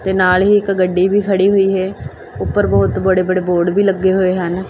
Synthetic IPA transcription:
t̪eːnaːlɦiːɪkɡəɖːiːbʱiːkʰəɽiːɦoiːɦɛː | ʊpːəɾbɔːt̪bəɽeːbəɽeːboːɾɖbʱiːləɡːeːɦoːeːɦən

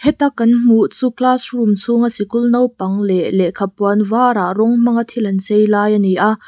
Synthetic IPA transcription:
hɛt̪akːɐnm̥uʔt͡suklasrumt͡sʰuŋasikulnɐwpɐŋlɛʔlɛʔkʰapɔɐnvaɾarɔŋm̥ɐŋat̪ʰilɐnt͡sejlaːjaniʔa

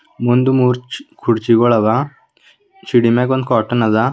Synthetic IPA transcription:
mund̪umuɾt͡ɕkʰuɽt͡ɕiɡɔɭaʋa | t͡ɕiɽimɛk̬ɔnd̪̚kɔʈənad͡za

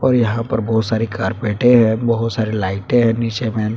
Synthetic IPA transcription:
ɔːɾjɐɦãpɐ̰ɾbɔːt̪saːɾikaːɾpeːʈẽɦɛ̃bɐɦʊt̪saːɾilaːɪʈẽɦɛ̃niːt͡ʃemɛ̃ːn

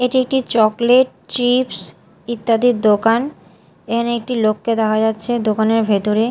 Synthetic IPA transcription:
eʈiek̚ʈit͡ɕɔkleʈ̚t͡ɕips | it̪ːad̪id̪okan | ekʰaneek̚ʈilokːed̪ɛkʰad͡ʑatːɕʰed̪okaneɾbʱet̪oɾe

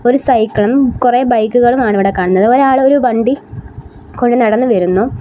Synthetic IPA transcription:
o̞ɾusɐjkːɐɭumkureːbɐjkːuɣɐɭumaːɳɨiʋiɽekːaːɳunːɐðɨoɾaːɭo̞ɾubɐɳɖi | koɻɖɨnɐɽɐnːɨʋɐɾunːu

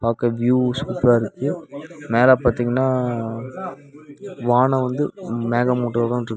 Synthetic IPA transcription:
paːɾkɐʋjuːskuːpaːɪɾɯkːɯmeːlaːpaːɾt̪iːŋɡɐnːaː | ʋaːɳɐ̃ʋɐnd̪ɯmeːɣɐmuːʈːɐkɐ̃ʈɾɯkː

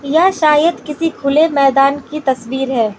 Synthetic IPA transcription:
jaʃaːjəd̪kɪsikʰʊlemɛːd̪aːnkit̪ɐsbiːɾɦɛː

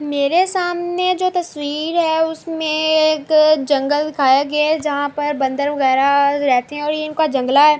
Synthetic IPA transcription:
meːɾesaːmned͡ʒoːt̪ɐswiːɾɦɛːʊsmẽːkd͡ʒɐ̃ŋɡəld̪ɪkʰaːjeɡɐed͡ʒɐɦãpɐɾbɐ̃nd̪əɾʋɐɣɛːɾaɾɛɦt̪eɦɛ̃ɔːɾjeɪnkad͡ʒɐ̃ŋɡlaɦɛː

